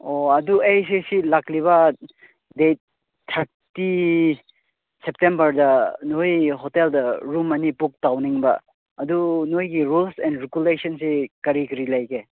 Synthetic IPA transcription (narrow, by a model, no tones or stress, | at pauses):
oɐduejs̬esilakliβɐ | dejt̚ | tʰːɐɾ | ti | sep̚tembɐɾdɐnojɦɔteldɐɾumɐnipuk̚tawniŋbɐ̰ | ɐdunojɡiɾulsɛndɾikulesɐnsekɐɾikɾilajke